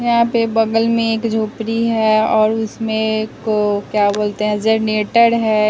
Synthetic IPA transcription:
jɐɦãpebɐɡəlmẽeːkd͡ʒʱoːpɾiɦɛɔːɾʊsmẽkokjaboːlt̪eɦɛ̃d͡ʒəɾneːʈəɽɦɛː

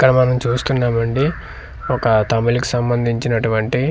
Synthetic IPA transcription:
kːɐɽɐmɐnɐmt͡ʃuːst̪unːaːmɐɳɖi | ɔkɐt̪ɐmɐliku̥sɐmbɐnd̪ʱiɲt͡ʃinɐʈuʋɐɳʈi

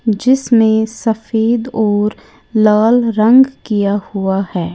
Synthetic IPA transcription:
d͡ʒɪsmẽsɐfeːd̪ɔːɾ | laːlɾɐ̃ŋɡkijahuahɛː

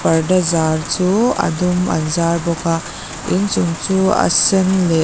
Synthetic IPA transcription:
pɐɾdazaɾt͡ʃua̰duma̰nzaɾbɔkʰa | int͡ʃuŋt͡ʃua̰senle

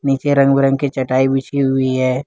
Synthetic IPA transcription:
niːt͡ʃeɾɐ̃ŋɡbɪɾə̃ŋkit͡ʃɐʈaːibit͡ʃʰiɦʊiɦɛː

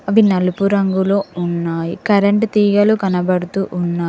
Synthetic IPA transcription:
ɐʋinɐlupuɾɐŋɡuloːunːaːjikɐɾeɳʈt̪iːɡɐlukɐnɐbɐɽut̪uːʔunːaː

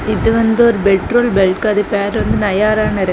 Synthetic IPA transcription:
ɪðɯʋɐnd̪ɯɔɾɯbɛʈɾoːlbɛlkɐðɯpeːɾʋɐnd̪ɯnɐjaːɾaːnɐɾɐ

